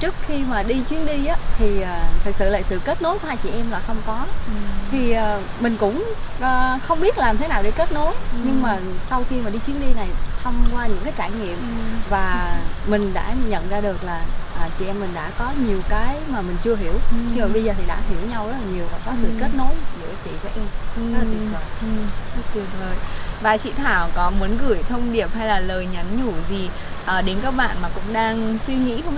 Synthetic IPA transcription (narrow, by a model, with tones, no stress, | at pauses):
t͡ɕɨ˦˥ək̚xi˧maː˨˩ɗi˧t͡ɕwi˨˦ənɗi˧ʔaː˨˦t̪ʰi˨˩ʔːt̪ʰɨ˨˩k̚sɨ̰˧˨la̰ː˧˨sɨ̰˧˨ke˦˥t̚no˨˦jt̪ʰaː˧jt͡ɕḭ˧˨ʔɛ˧mlaː˨˩xə˧wŋ͡mkɔ˨˦t̪ʰi˨˩ʔəː˨˩ | mï˨˩ŋ̟kʊ̰˧˥ŋ͡mʔəː˨˩xə˧wŋ͡mɓi˦˥t̚laː˨˩mt̪ʰe˨˦naː˨˩wɗe˧˩ke˦˥t̚no˨˦jɲɨ˧ŋmaː˨˩sa˧wxi˧maː˨˩ɗi˧t͡ɕwi˨˦nɗi˧na˨˩jt̪ʰə˧wŋ͡mkwaː˧ɲɨ̰˧˥ŋkaː˨˦t͡ɕaː˧˩jŋḭ˧˨əm | vaː˨˩mï˨˩ŋ̟ɗa̰ː˧˥ɲə̰˧˨nzaː˧ɗɨ˨˩ək̚laː˨˩ʔəː˨˩t͡ɕi˧˩ʔɛ˧mːï˨˩ŋ̟ɗa̰ː˧˥kɔ˨˦ɲi˨˩əwkaː˨˦jmaː˨˩mï˨˩ŋ̟t͡ɕɨ˧əɦi˨˧˦əwt̪ʰi˧vəː˨˩ɓə˧zəː˨˩t̪ʰi˨˩ɗa̰ː˧˥ɦi˨˧˦əwɲa˧wzə˦˥laː˨˩ɲi˨˩əwvaː˨˩kɔ˨˦sɨ̰˧˨ke˦˥t̚no˧˨˦jzɨ̰˧˩ə˨t͡ɕi˧˩və̰˧˨jʔʰə˧ŋ͡maː˧t̪ʰi˨kə˧˨˩w̪ʰt̚ti˨˩ə˩ləː˨˩jvaː˨˩jt͡ɕḭ˧˨t̪ʰaː˧˩wkɔ˨˦mu˨˦ənɣɨ˧˩əjt̪ʰə˧wŋ͡mɗi˨˩əp̚ha˧jlaː˨˩ləː˨˩jɲa˨˦nɲu˧˩zi˨˩ | ʔəː˨˩ɗe˨˦nkaː˦˥k̚ɓa̰ː˧˨nmaː˨˩kʊ̰˧˥ŋ͡mɗaː˧ŋswi˧ŋḭ˧˥xə˧wŋ͡m